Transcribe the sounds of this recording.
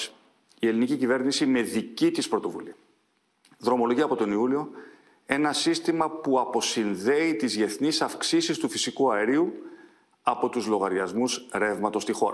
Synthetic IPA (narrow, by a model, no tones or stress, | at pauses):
ie̞linicicive̞ɾnisime̞ðicit̪ispɾo̞t̪o̞vṵliɐ | ðɾo̞mo̞lo̞ʝiɐpo̞t̪oniulio̞ | e̞nɐsist̪imɐpuɐpo̞sinðe̞it̪izʝe̞θnisɐfksisist̪ufisikuɐeɾiu | ɐpo̞t̪uzlo̞ɣɐɾʝɐzmusɾe̞vmɐt̪o̞st̪ixo̞ɾɐ